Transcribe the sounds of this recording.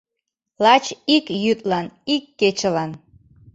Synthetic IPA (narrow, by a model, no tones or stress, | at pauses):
lɑt͡ɕikjyt̪̚ʼlɑnikːet͡ɕəlɑn